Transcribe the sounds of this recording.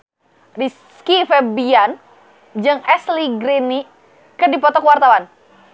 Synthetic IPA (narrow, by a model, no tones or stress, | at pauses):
ris | kifɛbian | d͡ʒɨŋɛsliɡɾini | kədipɔt̪ɔkwart̪awan